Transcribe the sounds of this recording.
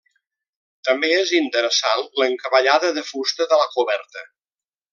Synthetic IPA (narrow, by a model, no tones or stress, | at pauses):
t̪əmbeezint̪əɾəsanləŋkəβəʎaðəðəfust̪əðələkuβɛɾt̪ə